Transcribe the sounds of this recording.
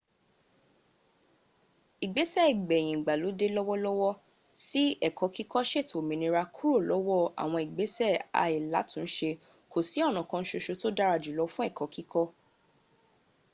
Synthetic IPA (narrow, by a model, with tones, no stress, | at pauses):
i˨ɡ͡be˨˦sɛ˦˨i˨ɡ͡bɛ˨j̃ĩ˨ɡ͡ba˨lo˨˦de˦lɔ˦wɔ˦lɔ˦wɔ˦ | si˦ɛ˦˨kɔ˧˦ki˦kɔ˦ʃe˦˨tʰo˨mĩ˨nĩ˧ɾa˧kʰu˦ɾo˦˨lɔ˦wɔ˦˨a̰˨w̃ɔ̃˧i˨ɡ͡be˨˦sɛ˦˨a̰˨˧i˨la˨˦tũ˦˧˨ʃe˧ | ko˨si˨˦ɔ˦˨nɔ̃˨kã˧n̩˦ʃo˧ʃo˧to˦da˦ɾa˧d͡ʒu˨lɔ˨˧˦fũ˦ɛ˦˨kɔ˨˦ki˦kɔ˦